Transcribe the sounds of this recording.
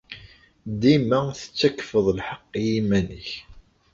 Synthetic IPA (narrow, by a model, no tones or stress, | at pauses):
d̪imæθə̥t͡sːækːfəðˤlħɑqːjimænəç